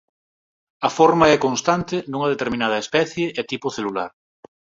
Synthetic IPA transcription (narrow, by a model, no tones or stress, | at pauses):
ɐfoɾmaɛkonst̪ant̪ɪd̪uŋɐðet̪eɾmĩnaðɐespɛθjeʔɛt̪ipoθelula̰ɾ